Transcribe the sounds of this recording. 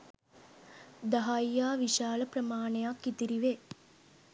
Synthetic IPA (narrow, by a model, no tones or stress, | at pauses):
d̪ɐɦajjaːʋiʃaːləpɾəmaːɳejakːit̪iɾiʋe